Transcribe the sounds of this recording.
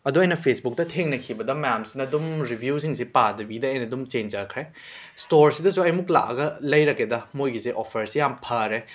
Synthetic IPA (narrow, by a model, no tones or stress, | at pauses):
ɐduɐjnɐpʰesbuk̚tɐtʰeŋnɐkʰibɐdɐmɐjamsinɐːdumɾibʱjus̬iŋsipadɐbidɐɐjnɐdumt͡ʃend͡ʒɐkʰɾe | stoɾsidɐs̬uɐjmukla̰kɐ̰ɡɐlɐjɾɐkːedɐmojɡisiʔopʰɐɾsijampʰɐɾe